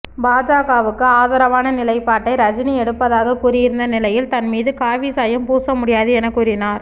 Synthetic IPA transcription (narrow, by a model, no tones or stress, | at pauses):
baːd͡ʒaːɣaːʋɯkːɯaːðɐɾɐʋaːnɐnɪlɐɪpːaːʈːɐɪɾɐd͡ʒɪniɛɽɯpːɐðaːɣɐkuːɾɪjɪɾɯnd̪ɐnɪlɐjɪlt̪ɐnmiːðɯkaːʋisaːjɐmpuːsɐmʊɽɪjaːðɯɛnɐkːuːɾɪnaːɾ